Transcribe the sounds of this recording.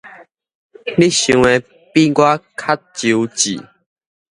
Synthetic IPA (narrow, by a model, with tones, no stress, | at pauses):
li˦ɕũ˨˧ŋe˧ | pi˦ɡwa˦kʰa˦˥t̚t͡ɕu˨˧˦t͡ɕḭ˨˩